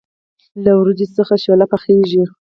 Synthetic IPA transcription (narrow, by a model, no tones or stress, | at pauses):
lawɾud̪isəxaʃolapaxeʒi